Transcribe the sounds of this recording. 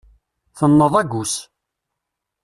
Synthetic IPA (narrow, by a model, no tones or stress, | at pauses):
θənːəðˤæɡus